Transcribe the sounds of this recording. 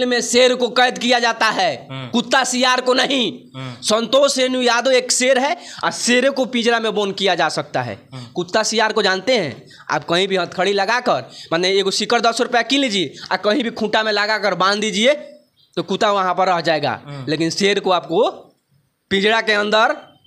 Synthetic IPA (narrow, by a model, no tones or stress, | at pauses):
lmẽseːɾkokəjd̪kijad͡ʒaːt̪aɦɛːkʊt̪ːasijaːɾkonəɦĩ | sə̃nt̪oːʃenũjaːd̪oeːkseːɾɦɛɔ̰ːɾseːɾkopĩd͡ʒɽamẽboːnkijad͡ʒaːsɐk̚t̪a̰ɦɛ̰ːkʊt̪ːasiːjaːɾkod͡ʒãːnt̪eɦɛ̰̃ | a̰ːp̚kɐɦĩbʱiɦət̪̚kʰəɽilɐɡakəɾmanɛekosɪkəɾd̪əsɾʊpjakilid͡ʒiea̰ːkɐɦĩbʱikʰũːʈamẽlɐɡakəɾbãːnd̪iːd͡ʒie | t̪okut̪aʋɐɦãpəɾːəɦd͡ʒaːeɡa̰leːkɪnseːɾkoaːp̚ko | pĩd͡ʒɽakeɐ̃nd̪əɾ